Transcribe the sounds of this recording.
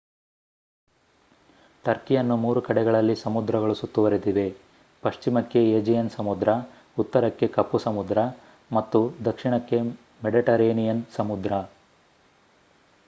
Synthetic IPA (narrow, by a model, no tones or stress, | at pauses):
ʈɐɾkijɐnːumuːɾukɐɽɛɡɐɭɐlːisɐmud̪ɾɐɡɐɭusut̪ːuʋɐɾid̪iʋe̞ | pɐʂt͡ʃimɐkːe̞eːd͡ʒijɐnsɐmud̪ɾɐ | ut̪ːɐɾɐkːe̞kɐpːusɐmud̪ɾɐ | mɐt̪ːud̪ɐkʂiɳɐkːe̞ | meɖiʈɐɾeːnijɐnsɐmud̪ɾɐ